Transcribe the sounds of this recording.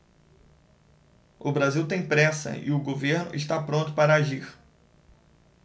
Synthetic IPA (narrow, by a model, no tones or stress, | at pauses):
ʊbɾaziwt̪ẽj̃pɾɛsɐ̰ɪʊɡoveɾnʊ̰ʔɪʃt̪apɾõnt̪ʊpaɾɐaʒiɾ